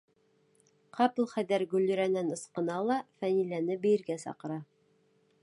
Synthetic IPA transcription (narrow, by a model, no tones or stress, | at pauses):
qɑplˠχæd̪æɾɡʉlʲːɵ̆ɾænænɤ̆sqɤ̆nɑlˠɑfænilænɘbɘ̆jɘ̆ɾɡæsɑ̰qɤ̆ɾɑ